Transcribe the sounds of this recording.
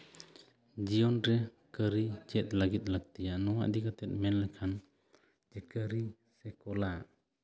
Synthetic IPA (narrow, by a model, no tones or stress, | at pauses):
d͡ʒijɔnɾɛ | kəɾit͡ʃɛt̪̚ˀlaɡit̪̚ˀlaɡ̚t̪ijanɔwa̰ʔd̪ikat̪ɛt̪̚mɛnlɛkʰan | d͡ʒɛkəɾi | sɛkɔlaʔ